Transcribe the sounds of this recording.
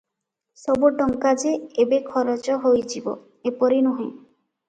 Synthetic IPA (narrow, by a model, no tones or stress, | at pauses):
sɔbuʈɔŋkad͡ʒeebekʰɔɾɔt͡ʃɔɦojd͡ʒibo̰ | epɔɾinɔɦĩ